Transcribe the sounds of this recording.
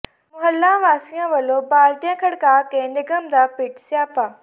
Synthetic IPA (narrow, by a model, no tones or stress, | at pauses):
mʊɦəlːãʋaːsijãʋɐlobaːlʈ̪ijãkʰɐɽkaːkẽnɪɡəmd̪aːpɪʈsjaːpaː